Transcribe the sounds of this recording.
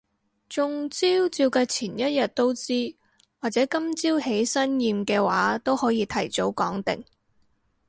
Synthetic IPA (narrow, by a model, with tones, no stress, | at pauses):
t͡sʊ˨ŋt͡siː˥wt͡siː˧wkaː˧t͡sʰiː˨˩njɐ˥t̚jɐ˨t̚t̪o˥wt͡siː˥ | waː˨t̚t͡sɛː˨˥kɐ˥mt͡siː˥whe˨˥jsɐ˥njiː˧mkɛː˧waː˨˥t̪o˥whɔː˨˥jiː˧t̪ʰɐ˨˩jt͡so˨˥wkɔː˨˥ŋt̪ɪ̰˨ŋ